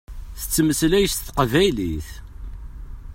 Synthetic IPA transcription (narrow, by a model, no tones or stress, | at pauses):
θə̥t͡sːməslæjəsθqvæjliθ